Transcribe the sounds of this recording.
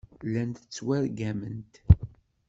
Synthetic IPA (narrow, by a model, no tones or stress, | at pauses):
lːænt̪ət͡sːwæɾɡæmənt̪